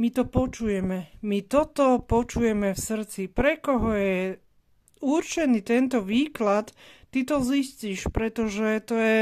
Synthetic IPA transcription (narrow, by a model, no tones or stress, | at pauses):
mit̪ɔpɔt͡ʃujɛmɛmit̪ɔt̪ɔpɔt͡ʃujɛmɛfsr̩t͡sipɾɛkɔɦɔjɛ | urt͡ʃɛniːt̪ɛnt̪ɔʋiːklat̪ː | it̪ɔzisciːʃpɾɛt̪ɔʒɛt̪ɔjɛ